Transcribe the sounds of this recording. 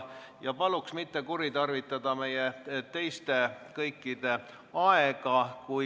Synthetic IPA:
jɑpɑluksmit̪ːe̞kuɾit̪ɑrvit̪ːˑɑd̪̥ɑme̞jet̪e̞jst̪e̞kɤjkːˑid̪̥e̞ | ɑeɡ̥ɑku

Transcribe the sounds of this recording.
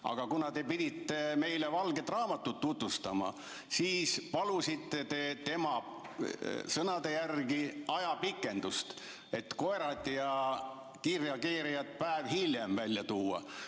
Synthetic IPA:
ʔɑ̰ɡ̥ɑkunɑt̪e̞pid̪it̪ːe̞me̞jle̞vɑlɡe̞t̪ːˑrɑːmɑt̪ːˑut̪ːut̪vust̪ɑmɑ̰ | siːspɑlusit̪ːe̞t̪e̞t̪e̞mɑ | sɤnɑd̪e̞jærɡiɑjɑpikːˑe̞nd̪ust̪ | e̞t̪ko̞eɾɑt̪ʲjɑ | kirjɑkiːɾijɑt̪̚pæevhiljemvælʲjɑt̪uːɑ̰

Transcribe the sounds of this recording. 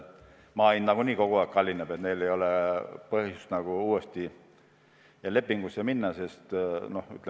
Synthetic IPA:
mɑːinnɑɡ̥uniːko̞ɡ̥uɑːˑkːɑlʲːinːeb̥et̪ne̞jle̞jo̞lepɤhjust̪nɑɡ̥uuːest̪i | jɑle̞pːiŋɡ̥usjɑminːɑse̞st̪no̞hy̰t̪ːˑl

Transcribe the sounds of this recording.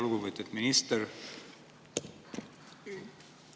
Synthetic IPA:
lɡuvət̪et̪minist̪ɛɾ

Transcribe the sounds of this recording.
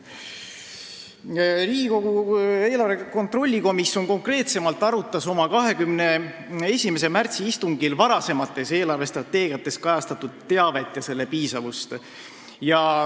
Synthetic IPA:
riːko̞ɡ̥ue̞ːlɑrve̞ko̞nt̪ro̞lʲːiko̞misjo̞nko̞ŋkre̞ːt̪se̞mɑlt̪ːˑɑɾut̪ːˑɑso̞mɑkɑɦe̞kymne̞ | e̞sʲimes̬e̞mært̪siist̪uŋɡ̥ilvɑɾɑse̞mɑt̪ːˑe̞se̞ːlɑrve̞st̪rɑt̪ːˑe̞ːɡ̥ijɑt̪ːˑe̞skɑjɑst̪ɑt̪ud̪̥t̪ːe̞ɑve̞t̪ːˑjɑse̞lːe̞piːsɑvust̪ | jɑ

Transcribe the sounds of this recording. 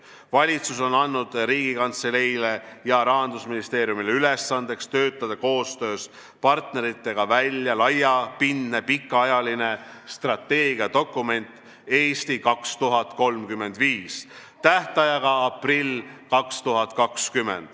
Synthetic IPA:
vɑlʲit̪suso̞nɑnːud̪̥riːɡ̥ikɑnt̪se̞lejle̞jɑɾɑɦɑnd̪usminist̪e̞ːɾjumileyle̞sːɑnd̪̥e̞kst̪ø̞ːt̪ːˑɑd̪̥ɑko̞ːst̪ø̞ːs | pɑrt̪ne̞ɾit̪ːe̞ɡ̥ɑvælʲjɑlɑjɑpinːepikːˑɑɑjɑline̞st̪rɑt̪ːe̞ːɡiɑt̪o̞kːˑume̞nʲt̪ˑ | e̞ːst̪ikɑkst̪uɦɑt̪ko̞lmkymːe̞nd̪̥viːs | t̪ːæht̪ɑjɑɡ̥ɑɑprilkɑkst̪uɦɑt̪kɑkskymːe̞̰nd̪̥

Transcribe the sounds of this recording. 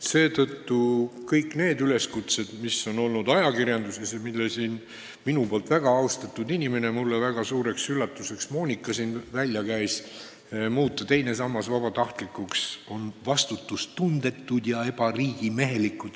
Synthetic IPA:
se̞ːt̪ɤt̪ːukɤjkːne̞ːd̪yle̞skut̪se̞d̪̥misːo̞no̞lnud̪̥ɑjɑkirjɑnd̪usesɑmilːesiːn | minupo̞ːlt̪væɡ̥ɑɑwst̪ɑt̪ːˑud̪inʲime̞ne̞mulːevæɡ̥ɑsuːɾe̞ksylːɑt̪ːˑuse̞ksmo̞ːnʲikˑːɑsiːnvælʲjɑkæjs | muːt̪ːɑt̪e̞jne̞sɑmːɑsvɑb̥ɑt̪ɑht̪likːˑukso̞nvɑst̪ut̪ːˑust̪und̪e̞t̪ːˑud̪̥jɑe̞b̥ɑriːɡ̥ime̞ɦe̞likːˑud̪̥

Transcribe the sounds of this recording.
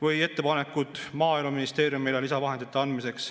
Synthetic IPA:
vɯje̞t̪ːe̞pɑnekːut̪ˑmɑːjlmɑminist̪e̞ːɾjumelelisɑvɑɦe̞nd̪̥it̪ːˑeɑnd̪mise̞ks

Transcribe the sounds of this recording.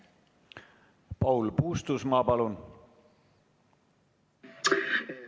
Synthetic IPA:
pɑwlpuːst̪usmɑpɑlun

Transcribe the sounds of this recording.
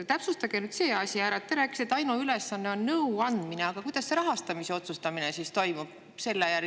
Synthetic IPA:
t̪æpsust̪ɑɡ̥e̞nyd̪se̞ːɑsʲiæːɾɑt̪ːeɾæːkːˑi̥set̪ːˑɑjnuyle̞sːɑnːe̞o̞nːɤuɑnd̪mine̞ɑɡ̥ɑkujd̪̥ɑsːe̞ɾɑɦɑst̪ɑmise̞o̞t̪sust̪ɑminesist̪o̞jmub̥̚ | se̞lːejær

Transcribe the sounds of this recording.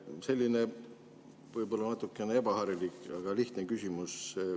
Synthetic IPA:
se̞lʲːine̞ | vɤjbo̞lːɑnɑt̪ːˑukːˑe̞nee̞bɑhɑɾilikɑɡ̥ɑliht̪nekysʲimuse

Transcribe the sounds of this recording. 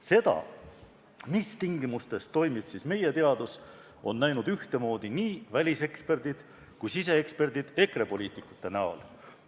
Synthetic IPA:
se̞d̪̥ɑ̰ | mist̪iŋɡimust̪e̞st̪o̞jmib̥sisme̞je̞t̪e̞ɑd̪̥us | o̞̰nːæjnud̪̥yht̪e̞mo̞ːd̪̥iniːvælʲise̞kspe̞rd̪̥id̪̥ | kujsise̞ekspe̞rd̪̥id̪̥e̞kre̞po̞liːt̪ˑikːˑu̥t̪ːe̞næo̰l

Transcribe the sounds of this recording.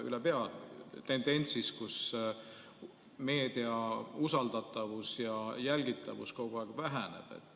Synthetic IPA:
y̰lepeɑlt̪e̞nd̪̥e̞nʲsiskus | me̞ːd̪̥iɑusɑld̪̥ɑt̪ːˑɑvusjɑjælɡ̥it̪ːˑɑ̰vṵskowɡ̥oɑːˑɡ̥væɦæne̞̰b̥e̞̰t̪ːˑ

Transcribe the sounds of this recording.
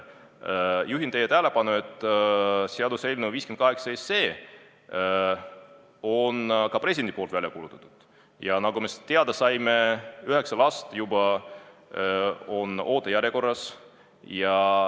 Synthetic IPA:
juɦint̪e̞jːet̪æhle̞pɑnue̞t̪ːˑ | seɑd̪use̞lʲnuviːskemnt̪kɑɦeksɑesːe̞ː | o̞nkɑpre̞sʲid̪end̪i̥po̞lt̪vælʲjɑkuːlut̪ːˑɑ̥t̪ːˑud̪̥ | jɑnɑɡ̥umet̪eɑd̪̥ɑsɑjme̞yɦe̞ksɑlɑst̪jubɑ | o̞no̞ːt̪ːˑejæɾjeko̞rːɑs | jɑ

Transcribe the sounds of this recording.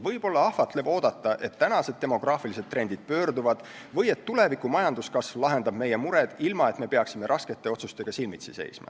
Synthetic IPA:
vɤjb̥o̞lːɑɑhfɑt̪le̞vo̞ːd̪̥ɑt̪ːˑɑʔe̞t̪ːænɑse̞d̪̚e̞mo̞ɡ̥rɑːfilise̞d̪ːɾe̞nd̪̥id̪̥̚pø̞ːrd̪uvɑd̪̥ | vɤje̞t̪ːule̞vikːˑumɑjɑnd̪̥uskɑsvlɑɦe̞nd̪ɑb̥me̞jemuɾe̞d̪̥ilmɑe̞t̪me̞pe̞ɑksime̞ɾʔɑske̞t̪ːˑe̞o̞t̪sust̪e̞ɡ̥ɑsilmit̪sise̞̰jsmɑ̰

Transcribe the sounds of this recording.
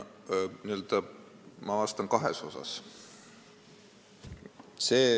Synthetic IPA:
niø̞ld̪̥ɑ | mɑɑst̪ɑŋkɑɦḛso̞sɑ̰s | seː

